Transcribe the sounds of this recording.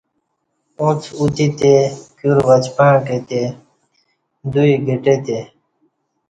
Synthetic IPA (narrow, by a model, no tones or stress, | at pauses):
õːt͡sʰut̪iːt̪eːkjuːɾʋət͡ʃpəãːkeːt̪eː | d̪uiːɡʱeʈeːt̪eː